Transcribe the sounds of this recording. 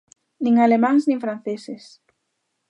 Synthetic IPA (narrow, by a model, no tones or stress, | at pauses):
nĩŋalemãŋsnĩŋfɾãn̟θeses